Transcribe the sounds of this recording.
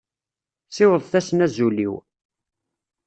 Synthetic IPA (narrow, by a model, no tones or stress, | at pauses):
sɪwəðˤθæsənæzulḭw